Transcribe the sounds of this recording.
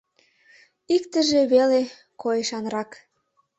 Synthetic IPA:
ikt̪əʒeβele | koeʃɑnrɑk

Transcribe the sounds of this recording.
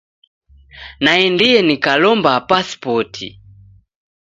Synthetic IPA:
naɛndijɛnikalɔmbapaspɔtʰḭ

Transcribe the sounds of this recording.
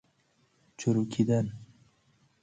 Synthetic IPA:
t͡ʃʰuɾukʲʰid̪an

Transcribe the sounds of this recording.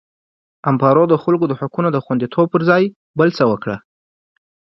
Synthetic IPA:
ampɑɾod̪əxalkod̪əhʊkunod̪əxwand̪it̪ʰob̚pəɾzɑj | bəlt͡səwəkɽa̰

